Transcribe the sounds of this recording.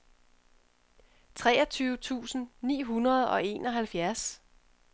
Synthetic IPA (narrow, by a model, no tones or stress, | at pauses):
t͡sʰʁɛ̰ːɐt͡sʰyːʊt͡sʰṵːsn̩nḭːɦunɐð̞ˠɒ̽e̝ːnɒ̽ɦælfjæɐs